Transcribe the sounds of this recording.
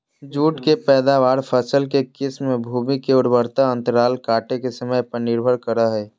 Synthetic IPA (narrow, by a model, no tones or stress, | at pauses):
d͡ʒuːʈkepɛːd̪aʋaːɾpʰəsəlkekɪsmːẽbʱuːmikeʊɽbəɾt̪aə̃nt̪əɾaːlkaːʈekesəməjpəɾnɪɾbʱəɾkəɾaɦɛː